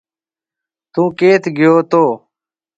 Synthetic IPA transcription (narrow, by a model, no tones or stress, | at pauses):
t̪ũːkeːt̪ɡɪjoːt̪oː